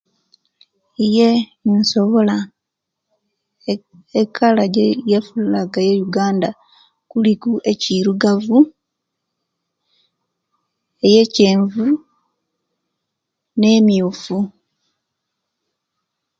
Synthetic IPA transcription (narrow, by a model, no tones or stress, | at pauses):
ije̞nso̞βo̞la | ekʰalaɟejefulaɡajejuɡaːnda | kulikuʔe̞ciɾuɡavu | eje̞ceːɱvu | ne̞miufu